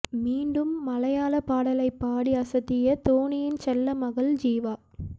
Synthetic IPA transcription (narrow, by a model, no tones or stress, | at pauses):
miːɳɖɯmːɐlɐjaːlɐpaːɽɐlɐɪpːaːɽiɐsɐt̪ːɪjɐt̪oːɳɪjɪnt͡ʃɛlːɐmɐɣɐɭd͡ʒiːʋaː